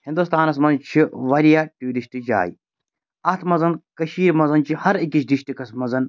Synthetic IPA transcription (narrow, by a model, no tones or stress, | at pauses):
hind̪ust̪aːnɐs̬mɐnt͡ʃʰiʋɐɾijaːʈuːɾiʃʈid͡ʒa̰ːjḭ | ɐt̪ʰmɐzɐnkɐʃiːɾmɐzɐnt͡ʃʰihɐɾikit͡ʃdiʃʈikɐsmɐzɐn